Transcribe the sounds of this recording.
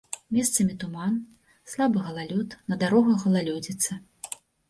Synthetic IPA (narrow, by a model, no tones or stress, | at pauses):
mʲɛst̪sɐmʲit̪uman | slˠabɨɣɐlˠalʲut̪nɐd̪aɾɔɣɐɣɐlˠalʲud͡zʲit̪sɐ